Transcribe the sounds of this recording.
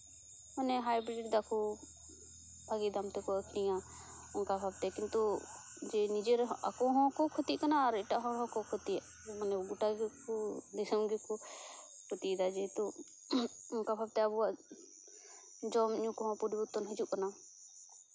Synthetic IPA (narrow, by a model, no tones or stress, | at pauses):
mənɛɦajbɾik̚d̪akɔ | bʱaɡid̪amt̪ɛkɔəkʰnija | ʊnkabʱab̚t̪ɛkint̪u | d͡ʒɛnid͡ʒeɾɦa̰kɔɦɔ̃kɔkʰɔt̪iʔkanaːɾɪʈaʔɦɔ̃ɾɦɔ̃kɔkʰɔt̪i | manɛɡuʈaɡkɔd̪ɪsəmɡekɔ | kʰot̪iʔd̪ad͡ʒɛt̪ɔ | ʊnkabʱab̚t̪ɛabua | d͡ʒɔmɲũkɔɦɔ̃puɾibut̪ɔnɦid͡ʒuʔkəna